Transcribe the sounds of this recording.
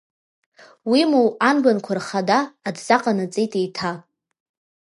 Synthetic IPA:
wimuwanbankʷʰarχadaːdzaqʼanat͡sʼejtʼejtʰa

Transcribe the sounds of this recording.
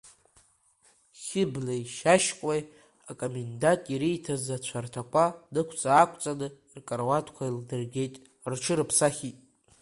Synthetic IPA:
χʲɪblejʃaʃkʷʼej | akʼomendatʼiɾijtʰazat͡ɕʷʰartʰakʷʰʼadɨkʷʰt͡sʼaːkʷʼt͡sʼanɨ | rkʼarwatʰkʷʰaildɨrɡʲe̞jtʼ | rt͡ʃʰɨɾɨpʰsaχʲitʼ

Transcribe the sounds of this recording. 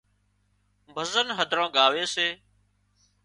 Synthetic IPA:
bʱəzənɦəd̪ʱɾãːɠaːʋeːseː

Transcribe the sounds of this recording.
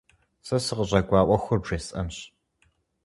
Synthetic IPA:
sɐsɨqəʑɐɡʷɑːʔʷɐxʷʊrʒeːsʼɐ̰mɕ

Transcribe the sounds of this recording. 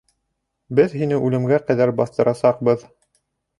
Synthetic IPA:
bɘðɦinɘʔʉlɘ̆mɡæqæðæɾbɑθt̪ɤ̆ɾʔɑsɑq̚bɤð

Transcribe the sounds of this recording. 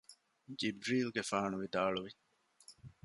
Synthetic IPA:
d͡ʒibɾiːlɡefaːnuʋid̪aːɭuʋi

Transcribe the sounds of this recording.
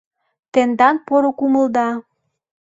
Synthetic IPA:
t̪end̪ɑnpoɾokuməld̪ɑ

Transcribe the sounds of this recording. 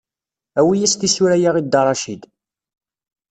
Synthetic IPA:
æwijæst̪isuɾæjaʁid̪ːɑrˤɑʃid̪

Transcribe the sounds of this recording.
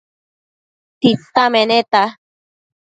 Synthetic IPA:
t̪it͡st̪amenet̪a

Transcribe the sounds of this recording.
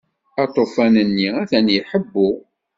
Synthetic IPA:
ɑt̪ˤofænənːiæθænjiħəbːʊ

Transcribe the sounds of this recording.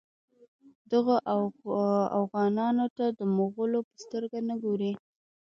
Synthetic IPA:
d̪əɣaʔ | afɣɑnɑnot̪ad̪əmoɣəlopə̥st̪əɾɡanəɡoɾi

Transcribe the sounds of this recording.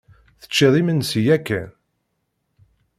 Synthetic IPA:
θə̥t͡ʃːɪðˤimənsijækːæn

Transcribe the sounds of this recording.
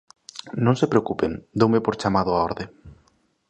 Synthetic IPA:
nõŋsepɾeokupend̪owmepoɾt͡ʃamaðʊaɔɾðe

